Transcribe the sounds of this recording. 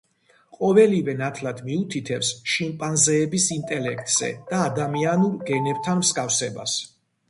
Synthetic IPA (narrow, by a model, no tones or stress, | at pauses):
qʼɔvɛlivɛnat̪ʰlad̪miut̪ʰit̪ʰɛfsʃimpʼanzɛːbisint̪ʼɛlɛk̚ʰt̪ʼz̥ɛ̰d̪̥aːd̪amianuɾɡɛnɛb̚t̪ʰanmskʼafsɛba̰s